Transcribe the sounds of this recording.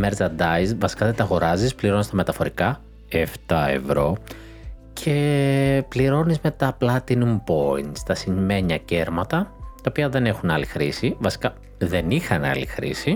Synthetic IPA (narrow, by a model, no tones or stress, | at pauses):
meɾsɐd̪ɐjzvɐsi̥kɐðet̪ɐɣo̞ɾɐzispliɾo̞nist̪ɐme̞t̪ɐfo̞ɾikɐ | eft̪ɐe̞̰vɾo̞ | cʰe̞pliɾo̞nizmet̪ɐplɐt̪inumpo̞̰ḭnt̪st̪ɐsinme̞ɲɐce̞ɾmɐt̪ɐt̪ɐopiɐðe̞ne̞xunɐlixɾisivɐsi̥kɐ | ðe̞nixɐnɐ̰lḭxɾḭsi